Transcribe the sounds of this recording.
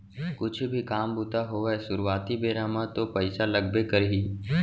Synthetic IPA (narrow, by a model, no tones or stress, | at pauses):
kʊt͡ʃʰbʱikaːmbut̪aɦoɛsʊɾuwaːt̪ibeːɾaːmat̪opɐɪsalɐɡbekɐɾɦiː